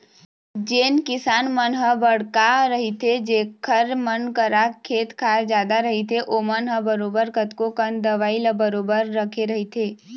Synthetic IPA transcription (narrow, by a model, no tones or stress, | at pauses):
d͡ʒeːnkɪsaːnmənɦəbəɽ̤kaɾəɦit̪ʰed͡ʒeːkʰəɾmənkəɾakʰeːt̪kʰaːɾd͡ʒjaːd̪aɾəɦit̪ʰeʔomənɦəbəɾoːbəɾkət̪kokənd̪əʋaːiləbəɾoːbəɾːəkʰeɾəɦit̪ʰeː